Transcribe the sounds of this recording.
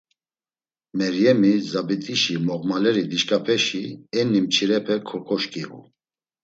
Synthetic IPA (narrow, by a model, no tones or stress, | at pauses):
mɛɾjɛmizabit̪ʼiʃimɔʁmalɛɾid̪iʃkʼapʰɛʃiɛnːimt͡ʃʰiɾɛpʰɛkʰɔkʰɔʃkʼiɣṵ